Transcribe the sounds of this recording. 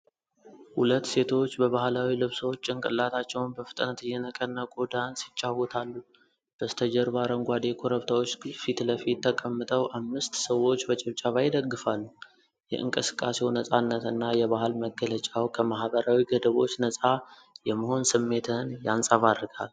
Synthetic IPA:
hulət̪ːse̞t̪ʰo̞t͡ʃːbəβahlawilɨβsəwot͡ʃːɨŋkʼɨlːat̪ʰat͡ʃːɛwnbəfɨ̥t̪ʼnət̪ɨjːɛnəkʼənːakʼod̪ansɪt͡ʃʼːawːɔt̪ʰalːu | b̥əst̪ʰəd͡ʒɛɾbaɾəŋɡʷad̪e̞kʰoɾəβt̪ʰawo̞t͡ʃːfit̪ləfit̪ːəkʼəmːɨt̪ʼəwʔamːɨst̪səwo̞t͡ʃːbət͡ʃʼɛβt͡ʃʼaβajɪd̪əɡːɨfalːu | jɛ̰ʔɨ̰ŋkʼɨsɨ̥kʼːasewnəsʼanːət̪ɨnːajɛβaɦɨlməɡːələt͡ʃʼawkʰəmahbəɾawiɡəd̪əβo̞t͡ʃːnəsʼa | jɛmːəho̞nsɨmːe̞t̪ʰənjansʼəβad̪ɾɨɡa̰l

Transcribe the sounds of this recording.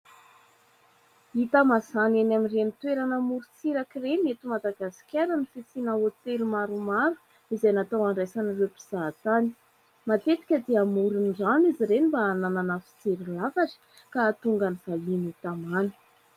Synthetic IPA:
it̪amazanenamirenit̪weɾanəmuɾut͡siɾakiremet̪umad̪aɡasi̥kʲaɾənifit͡sinaot̪elumaɾumaɾu̥ | izajnat̪awaɳɖ͡ʐajsanərewpi̥z̥aːt̪ani̥ | mat̪et̪i̥kʲəd̪eamuɾunzaniziɾenibaanananafi̥t͡seɾilavaʈ͡ʂi̥ | kat̪uŋɡaniv̥alinit̪amanə̥

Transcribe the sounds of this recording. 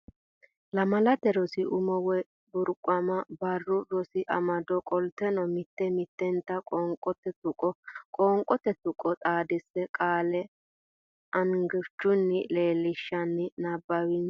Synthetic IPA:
lɐmɐlɐt̪ɛɾɔsɪʔʊmɔwɛ | bʊɾkʼʊɐmɐbɐrːʊɾɔsɪʔɐ̰mɐd̪ɔkʼɔlt̪ːɛnɔmɪt̪ːɛmɪt̪ːɛnt̪ːɐkʼɔŋkʼɔt̪ɛt̪ʊkʼɔkʼɔːŋkʼɔt̪ɛt̪ʊkʼɔt̪ʼaːd̪ɪsːɛkʼaːlɛ | ʔɐŋɡɪɾt͡ʃːʊnːɪleːlɪʃːɐnːɪnɐbːɐwin

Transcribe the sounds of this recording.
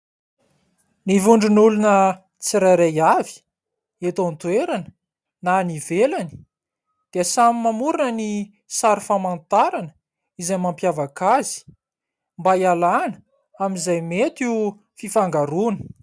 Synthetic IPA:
nivuɳɖ͡ʐinulunə | t͡siɾaɾajavi̥ | et̪ont̪weɾanə | nanivelani̥ | d̪̥easamimamuɾinəni | saɾifamant̪aɾanə̥ | izamampjavakazi̥ | mbajalanə | aminzajmet̪iu | fifaŋɡaɾunə̥

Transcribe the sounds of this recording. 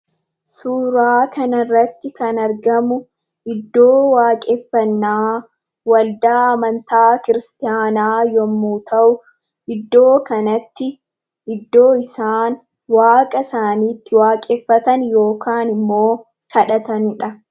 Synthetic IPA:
suːɾaːkʰɐnɐrːɐt̪ːɪkɐnɐɾɡɐmʊ | ʔɪd̪ːo̞ːwaːkʼɛfːɐnːaː | wɐld̪aːɐmɐnt̪aːkɪɾɪst̪ɪjaːnaːjɔmːuːt̪ʰɐʔʊ | ʔɪd̪ːo̞ːkɐnɐt̪ːɪ | ʔɪd̪ːo̞ːɪsaːn | waːkʼɐsaːniːt̪ːɪwaːkʼɛfːɐt̪ɐnjo̞ːkʰaːnɪmːo̞ː | kʰɐᶑɐt̪ɐnɪᶑɐ

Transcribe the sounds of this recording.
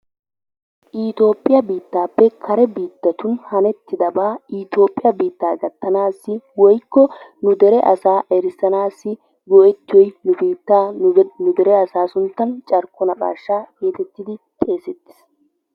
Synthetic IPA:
ʔiːt̪o̞ːpʼːɪjɐbiːt̪ːaːpːɛkʰɐɾɛbiːt̪ːɐt̪ʊnhɐnɛt̪ːɪd̪ɐbaːit̪o̞ːpʼːɪjɐbiːt̪ːaːɡɐt̪ːɐnaːsːɪwɔjkːɔnʊd̪ɛɾɛʔɐsaːʔɛɾɪsɐnaːsːɪ | ɡɔʔɛt̪ːɪwɔjnʊbiːt̪ːaːnʊd̪ɛɾɛɐsaːsʊnt̪ːɐnt͡ʃʼɐɾkːɔnɐkʼa̰ːʃːaːɡeːt̪ɛt̪ːɪd̪ɪt̪ʼe̞ːsɛt̪ːɪ̥s

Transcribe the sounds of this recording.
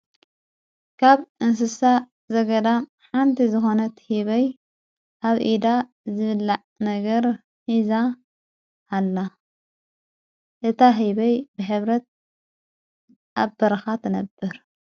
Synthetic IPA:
kʰaβʔɨns̬ɨsa | zɐɡɐd̪am | ħant̪ʰizɨxo̞nɐt̪hiβɐj | ʔaβʔid̪a | zɨβɨlːaʕnɐɡɐɾ | hizaː | lːa | ʔɨt̪ʰaɦiβɐjbɨħɨβɾɐt̪̚ | ʔabɐɾɐxat̪ʰɨnɐbːɨɾ

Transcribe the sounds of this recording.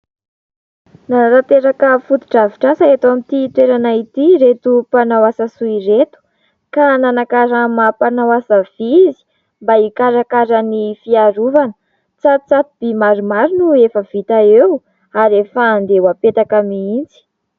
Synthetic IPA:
naɾat̪eɾakəfut̪u̥ʈ͡ʂaviʈ͡ʂasaet̪oamit̪it̪weɾanait̪iɾet̪upanawasasuiret̪u̥ | kananakaɾamapanawasavizi̥ | mbaikaɾakaɾənifiaɾuvanə̥ | t͡sat͡sat̪ib̥imaɾumaɾunuefəv̥it̪aew | aɾefaːnd̪ewapet̪akamiind͡zi̥

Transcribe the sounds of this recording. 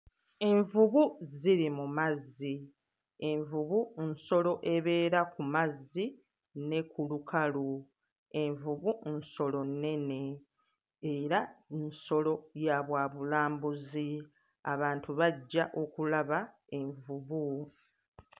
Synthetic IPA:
e̞ɱvuβuziɾimumazi | e̞ɱvuβunso̞lo̞ʔe̞βe̞ːɾakumazːi | ne̞kulukalu | e̞ɱvuβunso̞lo̞nːe̞ne̞ | eɾaenso̞lo̞jaβwaːβulaːmbuzi | aβaːntuβaɟːaʔo̞kulaβa | e̞ɱvuβu

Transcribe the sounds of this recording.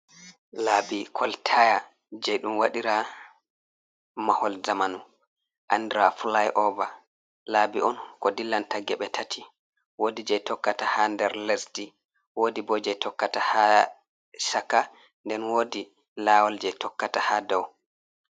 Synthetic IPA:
labikʰɔltʰaja | d͡ʒɛjɗumwaɗiɾa | mahɔlzamanu | ʔandɾafulajʔɔba | laːbiʔɔnkɔdilːantaɡɛɓɛtʰatʰi | wodid͡ʒɛjtɔkːatahandɛɾlesti | wodibɔd͡ʒɛtɔkːataha | sakːa | ndɛnwoːdi | lawɔld͡ʒɛtɔkːatahadɔw

